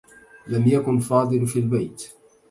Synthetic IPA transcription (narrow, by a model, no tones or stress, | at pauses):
lamjakʊnfɑːd̪ˤɨlfiːlbajt̪